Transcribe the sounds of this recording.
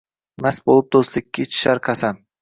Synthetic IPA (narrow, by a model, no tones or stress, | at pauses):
masbolˠɪp̚d̪oslɪkʲʰːat͡ʃʰɪ̥ʃaɾqʰɑsan